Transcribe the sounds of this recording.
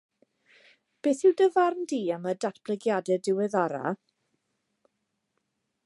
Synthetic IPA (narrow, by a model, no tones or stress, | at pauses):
b̥eːθɪwdəvarndiːamədatb̥lˠɛɡjadɛdɪwɛðɔɾa̰